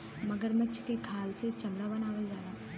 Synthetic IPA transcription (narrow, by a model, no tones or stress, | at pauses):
mɐɡəɾmətːʃʰkekʰaːlset͡ʃɐmɽabɐnaːʋəld͡ʒaːd̪aː